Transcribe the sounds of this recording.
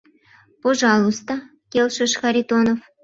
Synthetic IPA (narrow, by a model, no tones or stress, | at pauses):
poʒɑlˠust̪ɑ | kʲelʃɨʃxɑɾʲit̪onof